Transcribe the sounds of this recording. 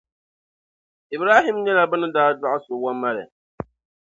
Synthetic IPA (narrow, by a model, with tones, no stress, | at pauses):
ɪ˨bɾaː˦ɦɪ˦mɲɛ˦la˨bɨ˦nɨ˦daː˦da˦ʔa˦sʊ˨wa˦mːa˦ɾɪ̰˨